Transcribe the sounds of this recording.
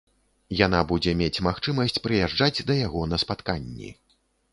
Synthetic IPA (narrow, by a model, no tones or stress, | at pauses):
jan̪abud͡zʲɛmʲet͡sʲmaxt͡ʂɨmɐsʲt͡sʲpɾɨjaʐd͡ʐad͡zʲd̪ɐjaɣɔnɐspat̪kanʲːḭ